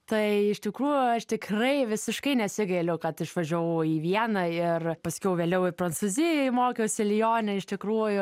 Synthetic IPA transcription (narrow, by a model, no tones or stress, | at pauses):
t̪ɐɪɪʃt̪ʲɪkɾuːjʊɐʃt̪ʲɪkrɐɪʋʲɪsʲɪʃkɐɪnʲɛsʲɪɡɐɪlʲʊkɐt̪ɪʃʋɐʒʲoʋɐʊiːʋʲiɛnɐɪrpɐsʲkʲɛʊʋʲeːlʲɛʊɪpɾɐnt͡suːzʲɪjɛɪmoːkʲɛʊsʲɪlʲɪjoːnʲɛɪʃt̪ʲɪkɾuːjʊ